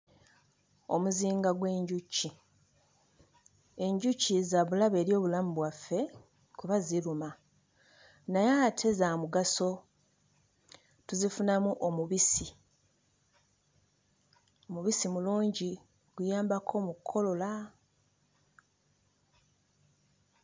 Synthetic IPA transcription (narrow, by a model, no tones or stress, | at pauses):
o̞̰muziːŋɡaɡwe̞ːɲɟucːi | e̞ɲɟucːizaβulaβe̞ːɾjo̞ːβulamuβwafːe̞ | kuβaziɾuma | najatʰe̞zamuɡaso̞ | tuzifunamuʔomuβisi | omuβisimuluːɲɟi | ɡ̥ujaːmbakʰo̞mukʰːo̞lo̞la